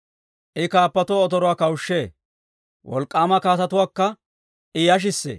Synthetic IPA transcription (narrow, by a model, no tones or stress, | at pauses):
ʔɪkaːpːɐt̪ʊwaɔt̪ɔɾɔwaːkɐwʊʃːeː | wɔ̰lkʼːaːmɐkaːt̪ɐt̪ʊwaːkːɐ | ʔɪjɐʃ̬ɪsːḛː